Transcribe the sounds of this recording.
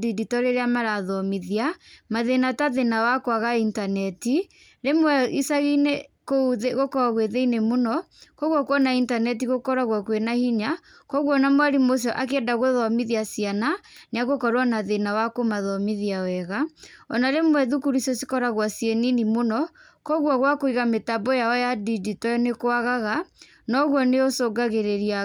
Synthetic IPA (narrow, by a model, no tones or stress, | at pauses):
diditɔɾeɾeamaɾaðɔmiðiamaðenataðenawakoaɣaintanɛti | ɾemwɛisaɣinekouðeɣokɔaɣweðeinemonɔ | kɔɣwɔkwɔnaintanɛt̬iɣokɔɾaɣwakwenahiɲa | kɔɣwɔnamwaɾimos̬ɔʔak̬eɛdaɣoðɔmiðiasiananeaɣokɔɾoanaðenawakomaðɔmiðiawɛɣaɔnaɾemwɛðukuɾisɔsikɔɾaɣwasjeninimonɔ | kɔɣwɔɣwakoiɣametabɔjaɔjadiditɔjɔnekoaɣaɣa | nɔɣwɔneosoɡaɣeɾeɾia